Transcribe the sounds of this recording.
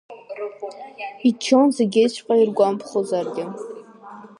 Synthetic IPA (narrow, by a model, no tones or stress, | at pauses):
it͡ʃʰonzeɡʲejt͡ʃʷʰqʼairɡʷampʰχozarɡʲɪ